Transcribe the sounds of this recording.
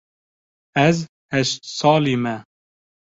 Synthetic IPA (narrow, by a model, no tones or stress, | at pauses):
ɛz | hɛʃt̪sɑːliːmɛ